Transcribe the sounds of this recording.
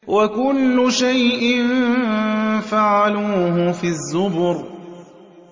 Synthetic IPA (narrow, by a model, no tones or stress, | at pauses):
wakʊlːʊʃajʔɪn | faʕaluːɦʊfiːazːʊbʊɾ